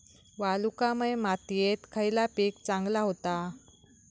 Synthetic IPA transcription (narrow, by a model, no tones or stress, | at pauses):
ʋalukaməjmat̪jet̪kʰəjlapiːk̚t͡sãŋɡlaɦot̪a